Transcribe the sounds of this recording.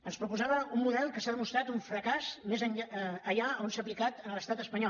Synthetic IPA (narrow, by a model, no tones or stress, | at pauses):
ənspɾupuzaβəumːuðɛlˠkəsaðəmust̪ɾat̪uɱfɾəkazmezəɲaəʎaəonsap̬likat̪ələst̪at̪əspəɲɔ